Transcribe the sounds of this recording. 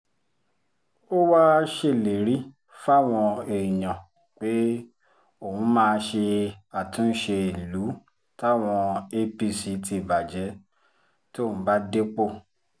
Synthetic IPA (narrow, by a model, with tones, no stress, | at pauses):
o˦wa˦ʃe˦˨le˨˦ɾi˦ | fa˦˨w̃ɔ̃˧e˨i˨j̃ã˨ | k͡pe˦ | o˦˨hũ˨˦mãː˦˧ʃe˧a˨tũ˦n̩˦ʃe˧e˨lu˨˦ | ta˦˨w̃ɔ̃˧e˦pi˧˨si˧˦tʰi˧˨ba˨d͡ʒɛ˨˦ | to˦˨ũ˨˦ba˦de˦k͡po˦˨